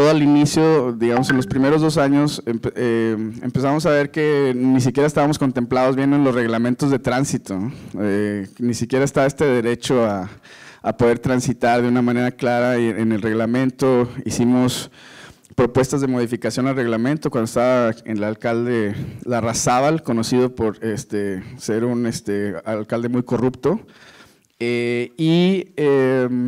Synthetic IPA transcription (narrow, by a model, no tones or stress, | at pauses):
oðoalinisjo̞ðiɣamo̞se̞nlo̞spɾime̞ɾo̞zðo̞s̬aɲo̞sempeeḛmpes̬amos̬aβ̞e̞ɾke̞nis̬ikjeɾaest̪aβamo̞sko̞nt̪e̞mplaðo̞zβje̞noenlo̞zre̞ɣlamẽnt̪o̞zðe̞t̪ɾansit̪onoenisikje̞ɾaest̪aβaest̪e̞ðe̞ɾe̞t͡ʃoa | apo̞ðe̞ɾt̪ɾansit̪aɾðeunamãne̞ɾaklaɾaene̞lre̞ɣlamẽ̞nt̪o̞isimo̞s | pɾo̞pwe̞st̪azðe̞mo̞ð̞ifikasjo̞nalre̞ɣlamẽnt̪okwand̪oest̪aβaenlalkald̪e̞larasaβalko̞no̞sið̞o̞po̞ɾest̪ese̞ɾunest̪ealkald̪e̞mujko̞rupt̪o̞ | eiem